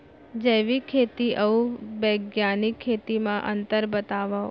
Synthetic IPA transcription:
d͡ʒəʋikʰet̪iʔəũbəɡjanikʰːet̪imãʔə̰nt̪əɾbət̪aʋa

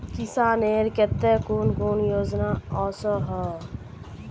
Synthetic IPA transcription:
kisãːneːɾket̪ːekuːnkuːnjoːd͡ʒnaːɔːsɔɦɔ

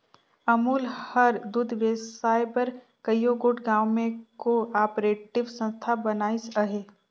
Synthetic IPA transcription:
ɐmuːlhɐɾd̪ud̪ʱʋesaːjpɐɾ | kəjjoɡoːʈɡãːwmẽkoaːpɾeːʈɪʋsə̃nst̪ʰabɐnaːisəɦeː

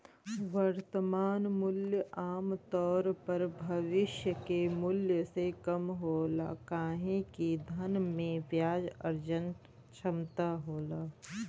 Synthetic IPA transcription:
ʋəɾt̪əmaːnmʊljəaːmt̪ɔːɾpɐɾbʱɐʋɪʃjəkemʊljəsekɐmɦoːla̰ːkaːɦẽkid̪ʱənmẽʋjaːd͡ʒəɾd͡ʒən | t͡ʃʰɐmt̪aɦoːlaː

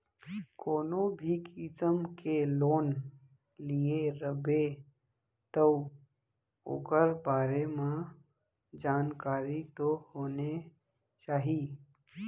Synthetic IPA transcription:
koːnõbʱikɪsəmkeloːn | lieɾəbe | t̪ə | o̰ːkəɾbaːɾemã | d͡ʒaːnkaːɾit̪ohoːne | t͡ʃaːɦiː

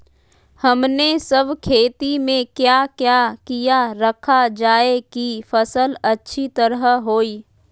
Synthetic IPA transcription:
hɐmnesəbʱkʰeːt̪imẽkjaːkjakijaɾəkʰad͡ʒaːekifəsəlɐtːʃʰit̪əɾəɦɦoːiː

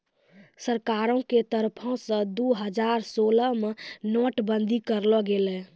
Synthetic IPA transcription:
səɾkaɾõket̪əɾpʰɔ̃sə̃d̪uɦəd͡ʒaɾsoləmenoʈbənd̪ʱikəɾlɔɡelɛ̃

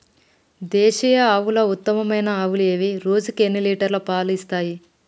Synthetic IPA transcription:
d̪ɛːʃijɐaːʋulout̪ːɐmɐmɐjnɐːʋuleːʋiɾoːd͡ʒukenːiliːʈɐɾlɐpaːlist̪aːji

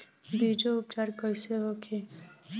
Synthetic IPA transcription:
b̪id͡ʒoʊp̚t͡ʃaːɾkəjseɦokʰi

